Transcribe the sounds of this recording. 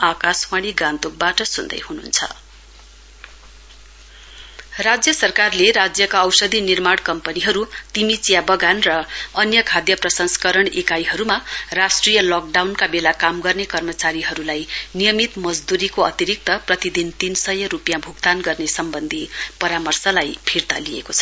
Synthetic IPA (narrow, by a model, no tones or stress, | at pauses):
akaswaɽ̃iɡãnt̪uk̚baʈʌsund̪ʌ̰jhunṵnt͡sʰʌ̰ | rad͡zjʌsʌrkarleɾad͡zjʌkaʌwsʌd̪ʱinirmaɽkʌmpʌniɦʌɾut̪imit͡sijabʌɡanrʌʌnjʌkʰad̪jʌprʌsʌnsʌ̥kʌɾʌɳekajɦʌɾumarasʈrijʌlɔk̚ɖawnkabelakamɡʌrnekʌrmʌt͡saɾiɦʌɾulajnijʌmit̪mʌd͡zd̪uɾikoʌt̪iɾik̚t̪ʌprʌt̪id̪int̪insʌjʌɾupjabʱuɡt̪anɡʌrnesʌmbʌnd̪ʱipʌɾamʌrsʌlajpʰirt̪a̰liḛkot͡sʰʌ̥